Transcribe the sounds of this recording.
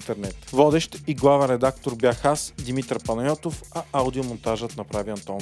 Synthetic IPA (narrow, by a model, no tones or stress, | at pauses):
t̪ɛɾnɛt̪vɔd̪ɛʃt̪iɡlˠavənɾɛd̪akt̪oɾbjaxasd̪imit̪ɾpɐnɐjɔt̪ofɐawd̪iomont̪aʒət̪nɐpɾaviɐnt̪ɔn